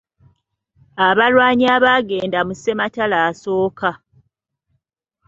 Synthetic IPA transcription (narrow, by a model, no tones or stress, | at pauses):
aβalwaːɲiaβaːɡe̞ːndamuse̞matalaːso̞ːka